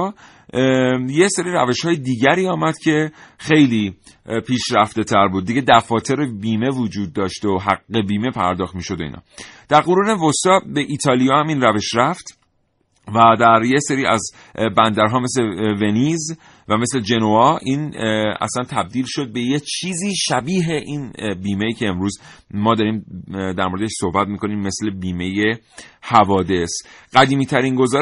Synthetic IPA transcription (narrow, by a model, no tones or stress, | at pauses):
jeseɾiːɾæ̰veʃhɒːjed̪iːɟæɾiːɒːmæd̪̥cʰe̞xe̞jliː | pʰiːʃɾæft̪e̞t̪ʰæɾbuːd̪̚ːiɟed̪æfɒːt̪ʰe̞ɾebiːme̞vod͡ʒuːd̪̚ːɒːʃt̪oɦæɡːe̞biːme̞pʰæ̰ɾd̪ɒːxt̪miːʃo̞d̪oḭːnhɒ̰d̪̥æɾɣoɾuːnevost̪ɒbeʔit̪ʰɒːlijɒːhæmiːnræve̞ʃɾæft̪ | væd̪æɾjeseɾiːæ̰z | bænd̪æɾɦɒːme̞sleve̞niːz | væme̞sle̞d͡ʒe̞noɒʔiːnæ̰slænt̪ʰæb̚d̪iːlʃo̞d̪̚be̞jet͡ʃʰiːziːʃæbiːɦe̞ʔiːnbiːmejiːcʰe̞ːmɾuːzmɒːd̪ɒːɾiːmd̪æɾmoɾed̪eʃsohbæt̪̚miːkʰo̞niːmːe̞sle̞biːme̞je | hævɒːd̪e̞sɢ̥æd̪iːmiːt̪ʰæɾinɡo̞zɒː